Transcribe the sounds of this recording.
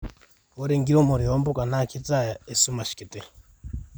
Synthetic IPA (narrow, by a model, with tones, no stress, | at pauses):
wo˦ɾe˨ŋɡi˦ɾo˦mu˨ɾio˦mbu˦ka˨na˦kʰi˦t͡sa˦˨ja˨e˨su˦ma˨ʃi̥˨ki˨te˦